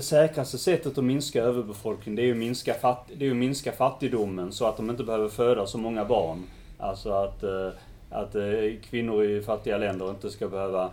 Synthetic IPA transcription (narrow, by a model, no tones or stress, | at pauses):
d̪ɛsɛːkɾast̪əsɛt̪ːət̪ɔmɪnskaɾøːvəɾbɛfɔlknɪŋd̪ɛæɾjɵmɪnskafat̪d̪ɛæjɵmɪnskafat̪ːɪɡd̪ʊmːənsɔat̪̚d̪ɔmɪnt̪əbɛhøːvəɾføːd̪asɔmɔŋːabɑːɳ | ʔa̰lsɔat̪ | a̰t̪kʰvɪnːʊɾɪfat̪ːɪɡalɛnd̪əɾɪnt̪əskabɛhøːva